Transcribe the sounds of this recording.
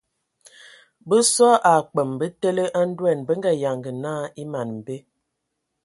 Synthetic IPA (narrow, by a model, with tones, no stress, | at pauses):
bə˦sɔ˦ʔa˨k͡pə˨mbə˦te˦lə˦ʔa˦n̩˦dwɛ˦˨nbə˦ŋɡa˨ja˨ŋɡə˨naː˦˨i˦ma˨nm̩˨be˦